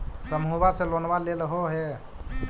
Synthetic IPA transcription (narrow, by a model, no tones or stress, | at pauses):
səmɦuβasẽlonbaleləɦoɦe